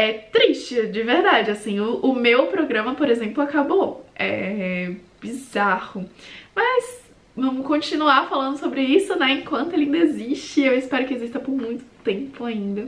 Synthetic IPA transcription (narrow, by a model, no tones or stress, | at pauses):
ɛt̪ɾiʃt͡ʃɪd͡ʒɪveɾd̪ad͡ʒɪasĩʊʔʊmewpɾoɡɾɐ̃mɐpoɾezẽmplʊakaboɛ | b̥izahʊmɐz | vɐ̃mʊkõt͡ʃinuaɾfalɐ̃nd̪ʊsobɾɪisʊnɛẽkwɐ̃nt̪ʊelɪĩnd̪eziʃt͡ʃɪewɪspɛɾʊkɪezist̪ɐpoɾmũj̃t̪ʊ̥t̪ẽmpʊaĩnd̪ɐ